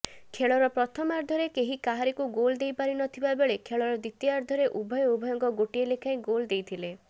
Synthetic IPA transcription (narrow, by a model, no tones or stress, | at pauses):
kʰeɭɔɾɔpɾɔt̪ʰɔmaɾd̪ʱɔɾekeɦikaɦaɾikuɡold̪ejpaɾinɔt̪ʰibabeɭekʰeɭɔɾɔd̪it̪jɔaɾd̪ʱɔɾeʔubʱɔjɔubʱɔjɔŋkɔɡoʈielekʰaĩɡold̪ejt̪ʰile